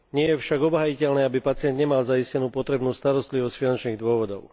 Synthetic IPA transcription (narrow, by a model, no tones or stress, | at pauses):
ɲɪɛjɛfʃaɡɔbɦajicɛlnɛːabipat͡sɪɛnd̪ɲɛmalzaiscɛnuːpɔt̪ɾɛbnuːst̪aɾɔst̪liʋɔscfinant͡ʃniːɣd̪ʊɔʋɔd̪ɔʊ